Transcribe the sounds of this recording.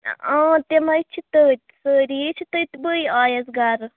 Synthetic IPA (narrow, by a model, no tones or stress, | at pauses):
ɔ̃t̪emajt͡ʃʰit̪ət̪ʲsəɾit͡ʃʰit̪ət̪ʲbəjaːjɐzɡaɾ